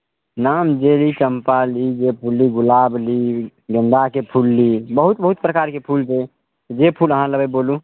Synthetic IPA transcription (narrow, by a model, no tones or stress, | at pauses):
namd͡ʒelit͡ʃəmpalid͡ʒepʰulːiɡulabliɡənd̪akepʰulːibəɦut̪̚bəɦut̪̚pɾəkaɾkepʰulse | t̪d͡ʒepʰuləɦãləbebolũ